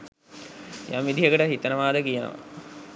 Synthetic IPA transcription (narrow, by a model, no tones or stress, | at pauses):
jamʋid̪iɦəkəʈəɦit̪ənəʋaːd̪əkijənə̰ʋa̰